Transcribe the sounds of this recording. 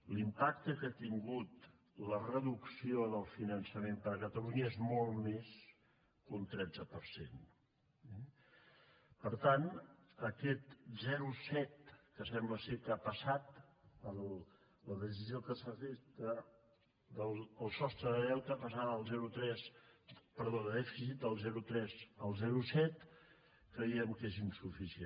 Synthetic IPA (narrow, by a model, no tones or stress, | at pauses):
limpak̚t̪əkat̪iŋɡut̪ | lərəðuksioðəlˠfinənsəmempəɾəkət̪əluɲəezmɔlˠmes | kunt̪ɾɛnd͡zəpəɾsḛn | ɛ | pəɾt̪anəkɛt̪zɛɾusɛt̪̚kəsɛmbləsekapəsat̪ə | ləðəs̬iziokəsəfesd̪ə | d̪əlˠəlˠsɔst̪ɾəðəðɛwt̪əpəsanəlˠzɛɾut̪ɾɛspəɾðoðəðɛfisit̪̚d̪əlˠzɛɾut̪ɾɛzəlˠzɛɾusɛt̪ | kɾəiəmkezinsufisie